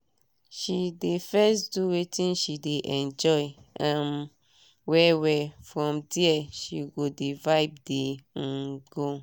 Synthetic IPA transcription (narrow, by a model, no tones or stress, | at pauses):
ʃidefɛsduwetʰĩnʃideʔɛ̃nd͡ʒɔjãm | wɛwɛfɹɔ̃mdiɛʃiɡodevaɪb̚deŋ̩ɡo